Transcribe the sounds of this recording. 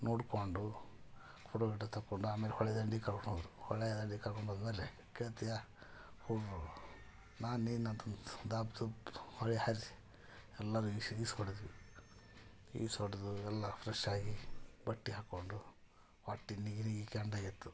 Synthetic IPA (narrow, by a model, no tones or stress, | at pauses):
noːɽkoɳɖu | kʰuɽobiʈːɐt̪ʰɐkːoɳɖuaːmeːlehɔɭɛd̪ɐɳɖikɐɾkonod̪ɾuhɔɭɛd̪ɐɳɖikɐɾkoɳbod̪meːle | keɭt̪ija | huu | naːnniːnant̪ond̪aːbt̪uhɔɭɛhaɾ | ɛlːɐɾuisishoɽed̪iʋi | ḭːsoɽed̪uɛlːɐpʰɾɐʃaːɡibɐʈːiɦaːkːoɳɖu | ʋaʈːiniɡiniɡikeɐɳɖaːɡit̪ːu